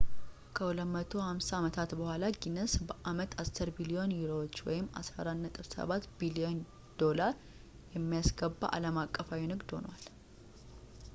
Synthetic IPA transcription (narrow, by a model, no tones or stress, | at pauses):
kʰəulət̪mət̪ʰo̞hamsaaːmət̪ʰat̪bəhʷalaɡinəsbəʔamət̪ʰasɨɾbilio̞njuɾo̞wot͡ʃːwɔ̰jɪmːa̰sa̰ɾanːət̪ʼɨfsə̰βat̪bilio̞n | d̪̥o̞laɾ | jɛmːijasɡəbːa̰ʔa̰ləmakʼːəfawinɨɡd̪ho̞̰nwal